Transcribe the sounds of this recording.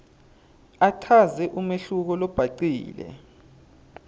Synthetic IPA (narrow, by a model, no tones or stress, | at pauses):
atʰazɛʔumeɬuk̬ɔlɔb̥ʱaǀiːlɛ̰